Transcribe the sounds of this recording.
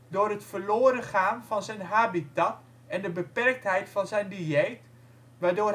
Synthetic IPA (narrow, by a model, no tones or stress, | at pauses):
doːrɦətfərloːɾəχaːnfɑnzɛjnɦaːbitat | ɛndəbəpɛrk̚tɦɛjtfɑnzɛjndiejt | ʋaːdoː